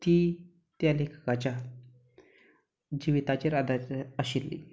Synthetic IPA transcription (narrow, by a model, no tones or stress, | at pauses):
t̪iː | t̪jalekʰkat͡ɕja | d͡ʑiʋit̪at͡ɕiɾad̪ʱatəɕilːḭ